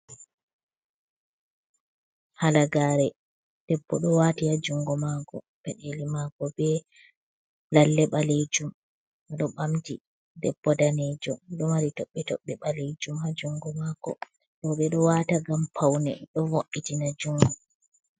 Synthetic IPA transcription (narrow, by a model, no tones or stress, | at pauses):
halaɡaːɾɛ | d̥ɛbːɔ̰ɗɔwaːtihad͡ʒuŋɡɔmakɔ̰ | pɛɗelimaɡɔbɛ | lalːɛɓaled͡ʒum | ɗɔɓamdi | dɛbːɔdaned͡ʒɔɗɔmaɾitɔɓːɛtɔ̰ɓːɛɓalejd͡ʒumhad͡ʒuŋɡɔmaɡɔ̰ | ɗɔɓɛɗɔwaːtaɡampʰawnɛ̰ɗɔvoʔːitinad͡ʒuŋɡɔ